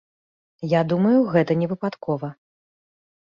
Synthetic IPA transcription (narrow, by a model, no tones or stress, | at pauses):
jad̪umɐjuɣɛt̪ɐnʲɛvɨpat̪kʰɔvɐ